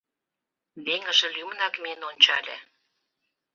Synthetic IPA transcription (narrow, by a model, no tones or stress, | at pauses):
βeŋə̆ʒĕlʲymənɑkmenonʲt͡ɕɑlʲḛ